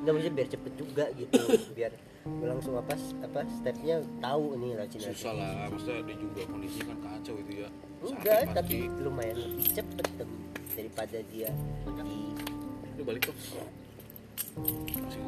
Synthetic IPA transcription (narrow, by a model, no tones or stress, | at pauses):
ŋɡaməst̪ɪmbiart͡ʃəpət̪̚d͡ʒuɡaɡit̪ubiar | laŋsʊŋapaapast̪ɛp̚ɲat̪auninat͡ʃinasalamast̪audad͡ʒuɡakondisikankat͡ʃawɡit̪uja | daʔt̪apilumajanlapit͡ʃəpət̪ːəmdaɾipadadiaanak | balɪk̚t̪ʊ | si